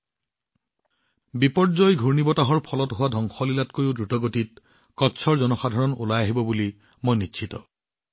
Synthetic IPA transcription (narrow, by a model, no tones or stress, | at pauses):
bipɔzɔjɡʱuɹnibɔtaɦɔɹpʰɔlɔtɦʊwadʱɔŋxɔlilatkoɹiʊdɹutɔɡotit̚ | kɔtːsʰɔɹzɔnɔxadʱaɹɔnulajaɦibɔbuli | mojnitːʰitɔ